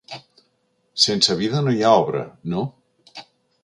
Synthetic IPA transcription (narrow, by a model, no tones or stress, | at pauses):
sensaβiðanojaɔβɾa̰no